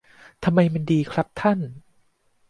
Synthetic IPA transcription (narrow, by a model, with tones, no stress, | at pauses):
t̪ʰa˧mːa˧jma˧ndiː˧kʰɾa˦˥p̚t̪ʰa˥˩n